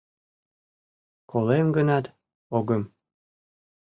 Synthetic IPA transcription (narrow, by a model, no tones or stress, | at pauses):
kʰolemɡənɑt̪ | oɣə̆m